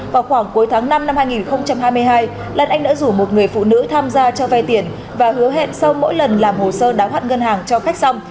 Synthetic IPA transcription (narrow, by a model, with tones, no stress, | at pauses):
vaː˨˩wxwaː˧˩ŋku˨˦jt̪ʰaː˨˦ŋna˧mna˧mhaː˧jŋi˨˩nxə˧wŋ͡mt͡ɕa˧mɦaː˧jmɨ˧əjɦaː˧j | lə˨˩nʔa˧jŋ̟ɗə̰ː˧˥zu˧˩mo˨˩t̚ŋɨ˨˩əjfṵ˧˨nɨ̰˧˥t̪ʰaː˧mzaː˧t͡ɕɔ˧va˧jt̪i˨˧˩ən | vaː˨˩hɨ˨˦əɦḛ˧˨nsa˧wmo̰˧˥jlə˨˩nlaː˨˩mho˨˩səː˧ɗaː˨˦whwaː˦˥t̚ŋə˧nɦaː˨˩ŋt͡ɕɔ˧xa˦˥k̟̚sa˧wŋ͡m